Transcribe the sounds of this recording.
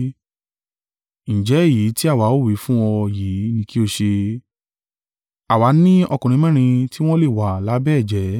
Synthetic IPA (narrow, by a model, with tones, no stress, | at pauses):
ñ̩˨d͡ʒɛ˨˦˨ji˨˦ti˦a˦˨wa˨˦o˦˨wi˨˦fũ˦wɔ˧jiː˨˦nĩ˨˧˦ki˦o˧ʃe˧ | a˨wa˨˦nĩ˦ɔ˧kũ˨ĩ˨˦mɛ̃˦˨ɾ̃ĩ˧ti˦w̃ɔ̃˦le˦˨wa˨la˨˦bɛ˦˨d͡ʒɛ˨˦